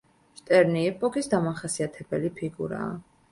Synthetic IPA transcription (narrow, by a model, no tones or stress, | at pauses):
ʃt̪ʼɛɾniɛpʼɔkʼisd̪amaχasiat̪ʰɛbɛlipʰiɡuɾa̰ː